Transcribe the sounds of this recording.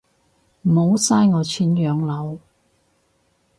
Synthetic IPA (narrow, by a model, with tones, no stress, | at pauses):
m̩˨˩ho˨˧wsaː˥jŋɔː˨˧t͡sʰiː˨˥njœː˨˧ŋlɐ˨˧w